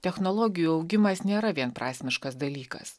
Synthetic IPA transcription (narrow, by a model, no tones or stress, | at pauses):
t̪ʲɛxnɔlˠɔːɡʲɪjuːɒʊɡʲɪmɐsnʲeːɾɐʋʲiɛnpɾɑːsʲmʲɪʃkɐs̬d̪ɐlʲiːkɐ̰s